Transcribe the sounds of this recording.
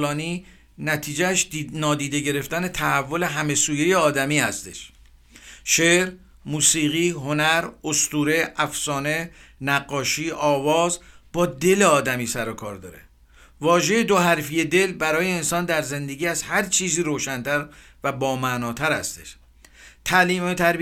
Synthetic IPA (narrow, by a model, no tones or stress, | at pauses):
lɒːniː | næt̪ʰiːd͡ʒææʃnɒːd̪iːd̪e̞ɟe̞ɾe̞ft̪æne̞t̪ʰæhævːo̞le̞ɦæme̞suːjeje̞ɒːd̪æmiːhæst̪e̞̰ʃ | ʃeːɾ | muːsiːɣiːɦo̞næɾost̪uːɾe̞ʔæfsɒːne̞næɢːɒːʃiːʔɒːvɒːzb̥ɒːd̪e̞le̞ɒːd̪æmiːsæɾokʰɒ̰ːɾd̪ɒ̰ːɾḛ | vɒːʒe̞jed̪o̞ɦæɾfije̞d̪e̞lbæɾɒːje̞ːnsɒːnd̪æɾze̞nd̪e̞ɡiːæzhæɾt͡ʃʰiːziːɾoːʃænt̪ʰæɾ | væbɒːmænɒːt̪ʰæɾhæ̰st̪e̞̥̰ʃ | t̪ʰæliːmet̪ʰæɾ